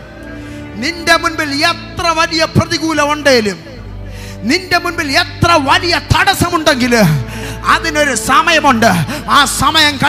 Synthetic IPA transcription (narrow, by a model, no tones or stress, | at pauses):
ninde̞munmilet̪rɐʋɐlijɐprɐðiɣuːlɐmuɳɖeːlum | ninde̞munbilet̪rɐʋɐlijɐt̪ɐɽɐsɐmuɳɖe̞ŋɡil | ɐðino̞ɾusɐmɐjɐmuɳɖɨaːsɐmɐjɐmkɐ